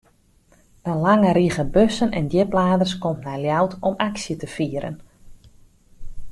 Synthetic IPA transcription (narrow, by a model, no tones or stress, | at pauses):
ənlaŋəɾiɣəbøsənɛndjɪplaːdərskɔmtnɛjljawtɔmaksjətəfiəɾə̰n